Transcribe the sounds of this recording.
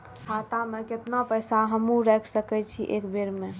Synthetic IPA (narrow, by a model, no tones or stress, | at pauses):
kʰat̪ameket̪napəjsaɦəmũɾɛkʰsəkɛt͡ʃʰiʔekbeɾme